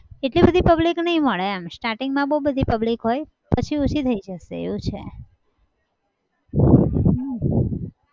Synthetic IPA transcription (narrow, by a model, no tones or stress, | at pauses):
eʈlibəd̪ʱipəbliknəɦĩməɭeamsʈaɾʈiŋɡmãbəubəd̪ʱipəblikɦoj | pət͡ʃʰiut͡ʃʰit̪ʰəid͡ʒəʃeḛʋũt͡ʃʰḛ | ɦa